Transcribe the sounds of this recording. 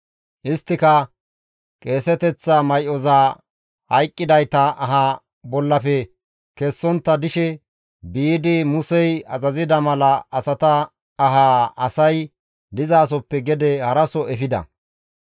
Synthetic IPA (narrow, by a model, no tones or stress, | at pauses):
ʔɪst̪ːɪkɐ | kʼe̞ːsɛt̪ɛt͡sːamɐjʔɔzaː | hɐjkʼːɪd̪ɐjt̪ɐʔɐɦa | bɔlːɐfɛ | kɛsːɔnt̪ːɐd̪ɪʃɛ | biːd̪ɪmʊsɛjɐ̰zɐzɪd̪ɐmɐlɐɐsɐt̪ɐː | ɦaːɐsɐj | d̪ɪzaːs̬ɔpːɛɡɛd̪ɛhɐɾɐsɔʔɛfɪd̪ɐ̰